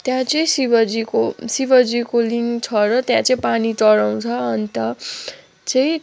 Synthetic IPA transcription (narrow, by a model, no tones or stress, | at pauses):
t̪jãt͡sʌĩsibʌd͡zikosibʌd͡zikoliŋt͡sʰʌrʌt̪jãt͡sʌĩpaniʈʌɽaw̃t͡sʰʌːnit̪ʌ | t͡sʌĩ